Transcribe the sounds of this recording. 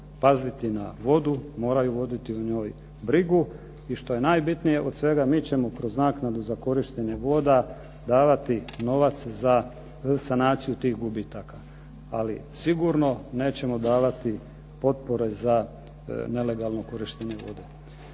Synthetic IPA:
pazit̪ina̰ʋo̞d̪umo̞ːɾajuʋo̞d̪it̪iuɲo̞ːj | bɾiɡu | iʃt̪o̞je̞naːjbit̪nije̞ʔo̞d̪sʋe̞ɡamiːt͡ɕe̞mokɾo̞znaːknad̪uzako̞ɾiʃt̪e̞ɲe̞ʋo̞ːd̪a | d̪aːʋat̪ino̞ʋat̪sza | sanaːt̪sijut̪iːxɡubit̪aka | alisiɡuɾno̞ne̞ːt͡ɕe̞mo̞d̪aːʋat̪i | po̞t̪̚poɾe̞za | ne̞le̞ɡalˠno̞ko̞ɾiʃt̪eɲe̞ʋo̞̰d̪e̞

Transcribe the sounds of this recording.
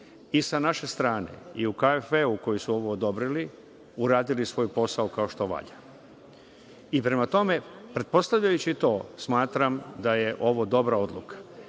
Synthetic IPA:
isanaʃe̞st̪ɾaːnḛiukaefeuko̞jisuo̞ʋoːd̪o̞bɾili | uɾaːd̪ilisʋo̞ːjpo̞saokao̞ʃt̪o̞ʋa̰ʎa | ipɾe̞mat̪o̞me̞pɾe̞t̪̚po̞st̪aʋʎajut͡ɕit̪o̞ːsmaːt̪ɾamd̪aje̞ʔo̞ʋod̪o̞bɾao̞d̪lˠṵkḁ

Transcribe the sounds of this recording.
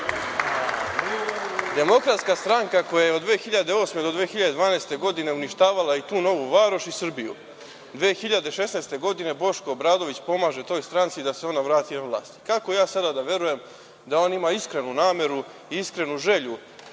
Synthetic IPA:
d̪e̞mo̞kɾat̪skast̪ɾaŋkako̞jajeod̪d̪ʋeːxiʎad̪e̞o̞ːsme̞d̪od̪ʋeːxiʎad̪e̞d̪ʋaːneːst̪e̞ɡo̞d̪ine̞uniʃt̪aːʋalˠait̪uːno̞ʋuʋaːɾoʃisr̩bijṵ | d̪ʋeːxiʎad̪e̞ʃe̞sneːst̪e̞ɡo̞d̪ine̞bo̞ʃkoːbɾaːd̪o̞ʋit͡ɕpo̞maːʒe̞t̪o̞ːjst̪ɾant̪sid̪aseo̞naʋɾaːt̪iaʋlˠa̰ːst̪i̥kakojaːsad̪ad̪aʋje̞ɾuje̞m | d̪ao̞ːnimaːiskɾe̞nunaːme̞ɾu | iiskɾe̞nuʒe̞ʎu

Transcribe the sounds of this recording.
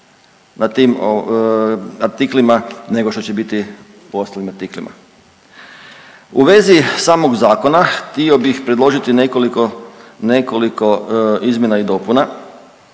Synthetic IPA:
nat̪iːmo | aɾt̪iklimane̞ɡo̞ʃt̪ot͡ɕebit̪i | uost̪alimaɾt̪iklima̰ | uʋe̞zisaːmoɡzaːko̞naxt̪io̞bixpɾed̪lo̞ʒit̪inekolikonekoliko̞izmje̞naid̪o̞puna

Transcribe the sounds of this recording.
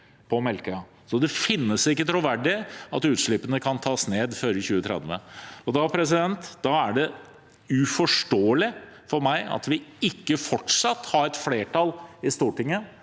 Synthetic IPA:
pʰɔmɛlkə | sɔd̪ɛfɪnːəsɪkːət̪ʰɾuʋæɖɪɑt̪ʉːt̪ʂɭɪpːənəkʰɑnt̪ʰɑːsneːd̪føːɾəçʉːət̪ʰɾɛ̰d̪ʋə̰ɔd̪ɑpʰɾɛs̬ɪd̪ɛnt̪d̪ɑæɖɛ | ʉfɔʂʈoːəlɪ | fɔɾmæɪɑ̰t̪ʋɪɪkːəfɔʈʂɑt̪ːhɑɾɛt̪fleːʈʰɑlɪst̪uːʈɪŋːə

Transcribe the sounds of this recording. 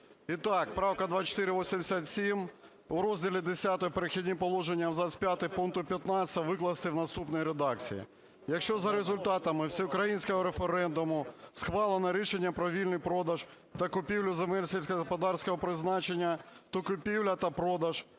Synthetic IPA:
it̪ɑk̚pɾɑwkɐd̪ʋɑt͡ʃɔ̥t̪ɪɾɪʋɔsʲimd̪ʲɪsʲat̪sʲim | ʊɾɔzʲdʲilʲid̪esʲat̪ɔɔpeɾexʲidʲnʲipɔlˠɔʒenʲːɐɐmzɑsʲpʲjat̪ɪpuŋkt̪ʊpʲjɐt̪nɑt͡sʲt̪ɐʋɪklˠɐst̪ɪwnɐst̪upnɔjiɾed̪ɑk̚t͡sʲḭjḭ | jɐkʃt͡ʃɔzɐɾezʊlʲt̪ɑt̪ɐmɪwsʲiʊkɾɐjinʲsʲkɔɦɔɾefeɾɛnd̪ʊmʊsxʋɑlˠenɐɾʲiʃenʲːɐpɾɔʋʲilʲnɪjpɾɔd̪ɐʒ | t̪ɐkʊpʲiwlʲʊzemɛlʲsʲisʲkɐpɐd̪ɑrsʲkɔɦɔpɾɪznɑt͡ʃenʲːɐt̪ɔkʊpʲiwlʲɐt̪ɐpɾɔd̪ɐʒ̥

